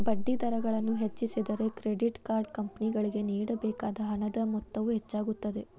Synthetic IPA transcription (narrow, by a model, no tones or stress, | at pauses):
bɐɖːid̪ɐɾɐɡɐɭɐnːuɦet͡ʃːisid̪ɐɾe̞kɾeɖiʈkaːɾɖkɐmpɐniɡɐɭiɡe̞niːɽɐbɛːkaːd̪ɐɦɐnɐd̪ɐmɔt̪ːɐʋuɦet͡ʃːaːɡut̪ːɐd̪e̞